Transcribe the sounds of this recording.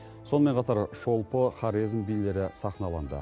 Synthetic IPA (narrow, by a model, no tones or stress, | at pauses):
so̞nəme̞nqʰɑt̪ɑɾʒo̞lˠpəχɑɾizmbijle̞ɾɪsɑχnɑlˠɑnd̪ə̰